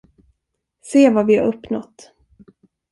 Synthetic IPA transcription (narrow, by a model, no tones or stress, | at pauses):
seːvavɪha̰ɾɵpːnɔt̪ː